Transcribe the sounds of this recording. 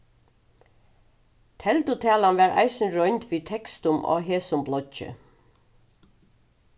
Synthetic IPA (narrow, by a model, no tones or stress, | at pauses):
t̪ʰɛlt̪ʊt̪ʰæːlɑnʋæːɹʔæ̰ɪsən̩ɹɔʏnt̪ʰʋiːt̪ʰɛkst̪ʊmʔo̰ːheːsʊmblɔc͡çə̰